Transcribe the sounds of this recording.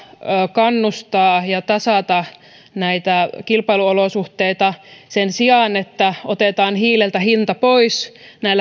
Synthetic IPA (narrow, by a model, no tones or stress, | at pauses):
kɑnːust̪ɑːjɑt̪ɑsɑˑt̪ɑ | næit̪ækilpɑiluolosuht̪eit̪ɑsensiɑˑnet̪ːæot̪et̪ɑːnhiːlelt̪æhint̪ɑpoisnæilːæ